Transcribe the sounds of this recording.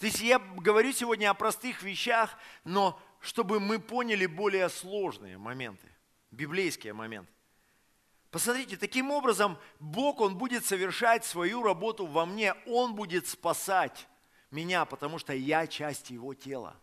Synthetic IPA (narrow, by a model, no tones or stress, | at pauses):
t̪oɪsʲtʲjaɡəvɐɾʲusʲɪvo̞dʲnʲəɐpɾɐst̪ɨxvʲɪɕːaxno̞ | ʂt̪o̞bɨmɨpo̞nʲɪlʲɪbo̞lʲɪjəslˠo̞ʐnɨ̰jə̰mɐmʲe̞̰nt̪ʰɨ̥̰ | bʲɪblʲejskʲɪjəmɐ̰mʲe̞̰nt̪ɨ̥ | pəsmɐt̪ʲɾʲitʲɪt̪ɐkʲimo̞bɾəzəmbo̞ko̞nbudʲɪt̪səvʲɪrʂatʲsvɐjuɾɐbo̞t̪ʊvɐmnʲe̞o̞nbudʲɪt̪spɐsatʲ | mʲɪnʲapət̪ɐmuʂt̪ojat͡ɕæsʲtʲjɪvo̞tʲe̞lˠə̰